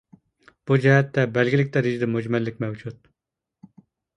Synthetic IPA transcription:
b̥ud͡ʒɛɦɛt̪ːɛbɛlɡʲɪlɪk̚ʲt̪ɛɾɪʒd̪ɪmud͡ʒmɛlːɪk̚ʲmɛwd͡ʒut̪

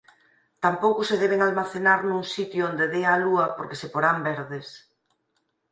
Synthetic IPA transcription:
t̪ampowkʊseðɛβ̞eŋalmaθenaɾnũŋsit̪juond̪eðealuɐpoɾkesepoɾambɛɾðes

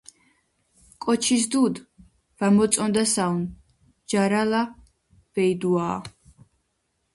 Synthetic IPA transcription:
kʼɔt͡ʃʰis̬d̪ud̪ | vamɔt̪sʼɔnd̪asan | d͡ʒaɾala | vɛid̪uaː

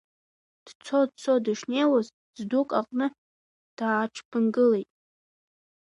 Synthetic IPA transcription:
d̥t͡sʰo̞dt͡sʰodɨʂne̞jwaz | zdukʼaqʼnɨ | d̥aːʈ͡ʂʰpʰɨnɡɨle̞jtʼ

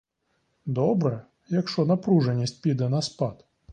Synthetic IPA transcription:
d̪ɔbɾɛ | jɐkʂt͡ʂɔnɐpɾuʐɛnʲːisʲtʲpʲid̪ɐnɐspat̪

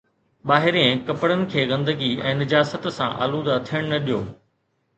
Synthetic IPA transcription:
ɓaːɦɪɾẽkɐpəɽənɪ̆kʰeːɣɐ̃nd̪əɡiɛ̃ːnɐd͡ʑaːsət̪sã̰ʔa̰ːluːd̪ɐt̪ʰijəɽ̃nɐɗijoː

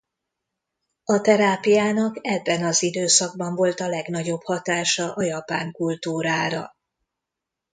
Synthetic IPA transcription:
ɒt̪ɛɾaːpijaːnɒkɛbːɛnɒzid̪øːsɒɡ̚bɒɱvo̞lt̪ɒlɛɡn̪ɒɟo̞bhɒt̪aːʃɒʔɒjɒpaːŋkult̪uːɾaːɾɒ̰

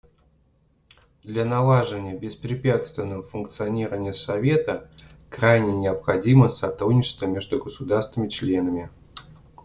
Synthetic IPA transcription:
d̪lʲanɐlˠaʐɨvənʲɪjəbʲɪspɾʲɪpʲat̪st̪vʲɪnːəvəfʊnkt̪sɨɐnʲiɾəvənʲɪjəsɐvʲe̞t̪əkɾajnʲɪnʲɪɐpxɐdʲiməsɐt̪ɾudʲnʲɪt͡ɕɪ̥st̪vəmʲe̞ʐd̪ʊɡəsʊd̪arst̪vʲɪmʲɪt͡ɕlʲe̞nəmʲɪ

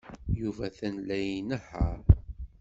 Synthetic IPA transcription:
juvæθænlæjinəħəɾ

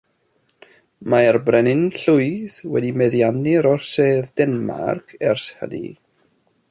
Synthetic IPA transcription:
maɛrbrɛnɪnɬʊɨðwɛ̰dimɛðjanɪɾɔrseːðdɛnma̰rkʰɛrshə̰dḭ

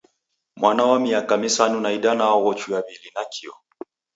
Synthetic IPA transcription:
mwanawamiakamisanunaiɗanaɔɣɔt͡ʃujaβilinakʰiɔ̰

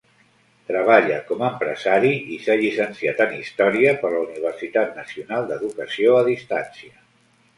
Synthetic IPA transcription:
t̪ɾəβ̞aʎəkɔməːmpɾə̰zaɾiisaʎisənsiat̪ənist̪ɔɾiəpəɾləuniβ̞ərsit̪at̪̚nəsiunalˠd̪əðukəsioəðist̪a̰nsiə

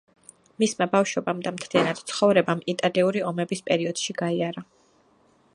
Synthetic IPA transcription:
mismabafʃwɔbamd̪amt̪ʰlianad̪̥t̪sʰχɔvɾɛbamit̪ʼaliuɾiɔmɛbispʼɛɾiɔd̪̥ʃiɡaiaɾa

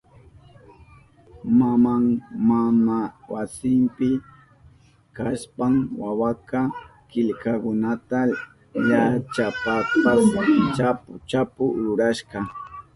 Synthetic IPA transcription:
mamaŋmamawasɪmpɪ | kaspaŋwawakɑ | kɪʎkakʊnat̪a | ʎat͡ʃapapawt͡ʃapʊt͡ʃapʊɾʊɾaʃɢɑ

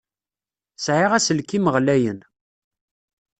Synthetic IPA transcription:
sʕɪʁæsəlkːiməʁlæjən

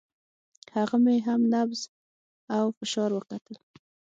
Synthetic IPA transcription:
haɣameɦamnabz | awfɪʃɑɾwəkat̪əl

